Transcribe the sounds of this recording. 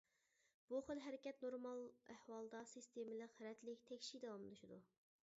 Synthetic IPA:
b̥uχəlˠɦɛɾɪkʲɛt̪noɾmɑlˠæhwɑlˠd̪ɑsɨst̪ʰemɪləqɾɛt̪lɪkʲt̪ʰɛkʲʃid̪ɛwɑmlˠɨʃɪd̪u

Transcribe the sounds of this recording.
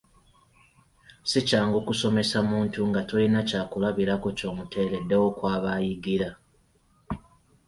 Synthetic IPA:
sicaːŋɡo̞kuso̞me̞samuːntuŋɡatolinacaːkulaβiɾako̞co̞ːmutʰe̞le̞dːe̞wo̞kwaːβajiɡiɾa

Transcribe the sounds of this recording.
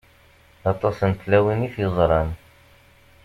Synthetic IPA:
ɑt̪ˤːɑsənt̪læwinifjəzˤɾˤɑn

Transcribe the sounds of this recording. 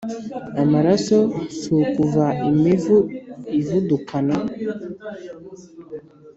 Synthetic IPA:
amaɾasosukuvaimevuivudukʰana

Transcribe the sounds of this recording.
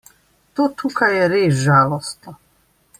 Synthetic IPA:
t̪oːt̪uːkajɛɾeːs̬ʒaːlɔst̪nɔ

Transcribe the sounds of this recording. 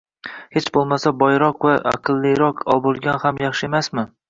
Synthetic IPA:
het͡ʃbolˠmasabɒjɾɒqvaa̰qʰɨlˠːɪɾɒqʰɒ̰lˠbolˠɡʲanhamjɑχʃɪe̞masmɪ

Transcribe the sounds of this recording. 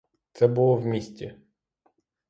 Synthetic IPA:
t̪sɛbʊlˠɔwmʲisʲtʲi

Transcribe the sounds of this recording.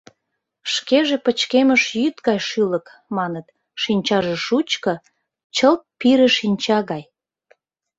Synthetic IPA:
ʃkeʒepət͡ɕkeməʃjyt̪ɡɑjʃylək | mɑnət̪ | ʃinʲt͡ɕɑʒeʃut͡ɕkɤ̆ | t͡ɕəlt̪̚piɾeʃinʲt͡ɕɑɣɑj

